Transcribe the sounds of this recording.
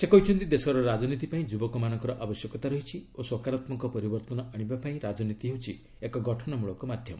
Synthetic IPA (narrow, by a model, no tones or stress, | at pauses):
sekɔɦit͡ʃʰɔnt̪id̪esɔɾɔɾad͡ʒɔnit̪ipaĩd͡ʒubɔkɔmanɔ̃ŋkɔɾɔʔabɔsjɔkɔt̪aɾɔɦit͡ʃʰioswɔkaɾat̪mɔŋkɔpɔɾibɔɾt̪ɔnɔɔɽ̃ibapaĩɾad͡ʒɔnit̪iɦewt͡ʃʰi | ekɔɡɔʈʰɔnɔmuɭɔkɔmad̪ʱjɔmɔ